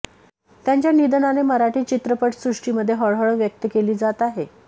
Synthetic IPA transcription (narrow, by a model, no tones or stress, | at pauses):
t̪jaɲt͡ɕjanid̪ənaneməɾaʈiːt͡ɕit̪ɾəpəʈsɾuʂʈiːməd̪ʱːjeɦəɭɦəɭəʋjək̚t̪əkeliːd͡zat̪aɦe